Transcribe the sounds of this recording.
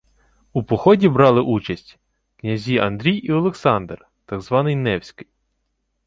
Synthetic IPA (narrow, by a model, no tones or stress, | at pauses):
upɔxɔdʲibɾɑlˠɪʔut͡ʃɐsʲtʲ | knʲɐzʲiɐnd̪ɾʲijiɔlˠeksɑnd̪r | t̪ɑɡzʋɑnɪjnɛwsʲkɪj